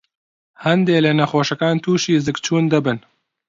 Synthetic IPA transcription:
hɐnd̪eːlenɐxoːʃɐkaːnt̪ʰuːʃiːzɨkt͡ʃʰuːnd̪ɨbɨn

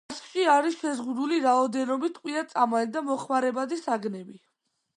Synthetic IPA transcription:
sʼʃʼiaɾisʃɛzʁud̪uliɾaɔd̪ɛnɔbit̪ʰqʼwiat̪sʼamalid̪amɔχmaɾɛbad̪isaɡnɛbi

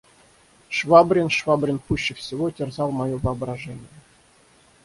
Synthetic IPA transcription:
ʂvabɾʲɪnʂvabɾʲɪnpuɕːɪfsʲɪvotʲɪrzɑlˠmɐjovəːbɾɐʐɛnʲɪjə

